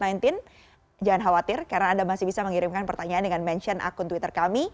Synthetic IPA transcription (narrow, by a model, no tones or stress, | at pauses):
najnt̪ɪn | d͡ʒaŋanɦawat̪ɪrkaɾənaːndamasɪhbisaməŋiɾɪmkanpərt̪aɲaaːndəŋanmɛnt͡ʃənʔa̰kʊnt̪wit̪ərkami